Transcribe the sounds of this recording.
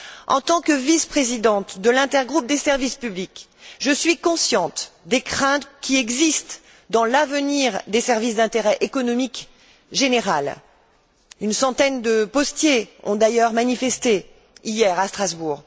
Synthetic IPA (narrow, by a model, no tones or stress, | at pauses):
ɑ̰̃t̪ɑ̃kəvispχezid̪ɑ̃t̪d̪əlɛ̃t̪ɛʁɡʁup̚d̪esɛʁvispyblik | ʒəsɥikɔ̃sjɑ̃t̪d̪ekχɛ̃t̪kʲiɛɡzist̪ | d̪ɑ̃lavəniʁd̪esɛʁvisd̪ɛ̃t̪eʁɛʔekɔnɔmik | ʒeneʁal | ynsɑ̃t̪ɛnd̪əpɔst̪jeɔ̰̃d̪ajœʁmanifɛst̪e | ijɛʁast̪χazbuːʁ